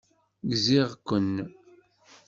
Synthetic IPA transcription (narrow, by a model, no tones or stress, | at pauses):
ɡziʁkʷːənː